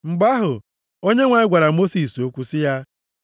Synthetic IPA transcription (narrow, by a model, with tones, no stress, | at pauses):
ŋ͡m̩˨ɡ͡ba˦ɦʊ˨ | o˦ɲe˦ŋʷa˨ɪ˦ɡʷa˨ɾa˨mo˦si˨so˦kʷu˦sɪ˦ja˦